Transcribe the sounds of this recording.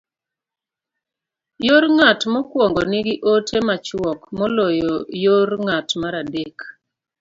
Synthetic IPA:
joɾŋatmɔkwɔŋɡɔnɪɡɪʔotʰemat͡ʃwɔkmɔlɔjɔjorŋatmaɾadek

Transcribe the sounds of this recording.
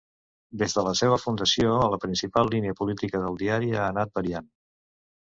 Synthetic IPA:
d̪ezðələseβ̞əfund̪əsioələpɾinsipalˠːiniəpulit̪ikəðəlˠd̪iaɾianat̪̚bəɾian

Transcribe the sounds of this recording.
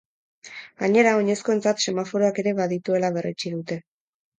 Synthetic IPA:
ɡaɲe̞ɾao̞ɲe̞sko̞e̞nt͡sat̪se̞mafo̞ɾo̞ake̞ɾe̞βaðit̪ue̞laβ̞e̞ret͡ʃiðut̪e̞

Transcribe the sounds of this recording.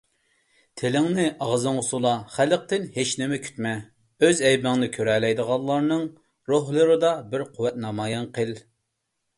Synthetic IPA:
t̪ʰelɪŋnɪʔɑʁzɨŋʊsulˠɑχælq̚t̪ɪnhet͡ʃnɪmɛkʲʰy̥t̪mɛ | øzɛjbɪŋnɨkʲʰøɾɛlɛjd̪əʁɑllˠɑɾnɨŋ | ɾoɦlˠɨɾɨd̪ɑbɪɾqʰʊwːɛt̪̚nɑmɑːjɑnqʰel

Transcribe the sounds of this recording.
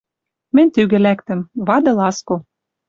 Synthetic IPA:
mɘ̆nʲt̪yɣɘ̆lækt̪ɘ̆mβɑd̪ɤ̆lɑsko

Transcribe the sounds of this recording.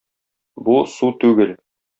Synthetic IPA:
busut̪ʉɡɘl

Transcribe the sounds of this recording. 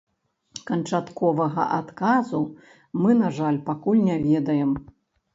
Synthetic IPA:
kɐnt͡ʂat̪kɔvɐɣɐ̰ʔat̪kazu | mɨnaʐalʲpakulʲnʲɛvʲɛd̪ɐjɛm

